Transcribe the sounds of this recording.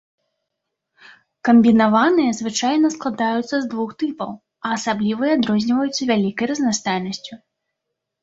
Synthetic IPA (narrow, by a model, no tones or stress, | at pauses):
kɐmʲbʲinavanɨjɐzvɨt͡ʂajnɐsklˠad̪ajut̪sːɐzd̪vuxt̪ɨpɐ̰w | ɐːsablʲivɐjad̪ɾɔzʲnʲivɐjut̪sːɐvʲalʲikɐjrɐznast̪ajnɐsʲt͡sʲu